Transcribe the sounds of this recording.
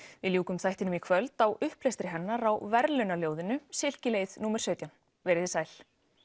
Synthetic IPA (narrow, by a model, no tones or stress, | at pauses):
vɪðljuːkʏmθajht̪ɪnʏmikʰvœlt̪awʏhplejst̪ɾɪɦɛnːaɾawvɛɾlʏnaljoːwðɪnʏsɪl̥cɪleːjðnuːmɛɾ̥sœːɥt̪jawn | vɛːɾɪðɪsaːjl